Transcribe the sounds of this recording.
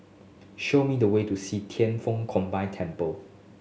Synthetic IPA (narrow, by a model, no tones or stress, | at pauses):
ʃomidəwetusitʰɛ̃nfõŋkʰɔ̃mbãɪtʰɛ̃mpəl